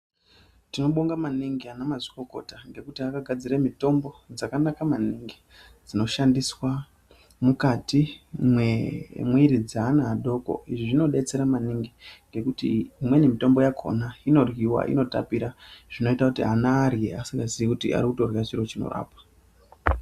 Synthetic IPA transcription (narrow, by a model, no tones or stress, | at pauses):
tino̞ɓoŋɡamaniŋɡianamaʐiko̞ko̞̰taŋɡe̞kutiakaɡʱad͡ziremito̞mbo̞d͡zakanakamaniŋɡi | d͡zino̞ʃandiswa | mukatimwemwiɾid͡zaːnaɦːɗo̞ko̞̰iʐiʐino̞ɗe̞t͡se̞ɾamaniŋɡiŋɡe̞kutiimwe̞nemito̞mbo̞jakʰo̞̰naino̞rwiwa̰ʔḭno̞ta̰piɾaʐ̥ino̞itakutiɦanaːrjḛasiŋɡaziʋikutḭʔa̰ɾikuto̞rwiwat͡ʃiro̞t͡ʃino̞̰ra̰ːpḁ